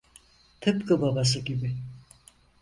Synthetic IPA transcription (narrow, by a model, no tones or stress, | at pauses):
t̪ʰɨpkɯbabas̬ɯɡʲibi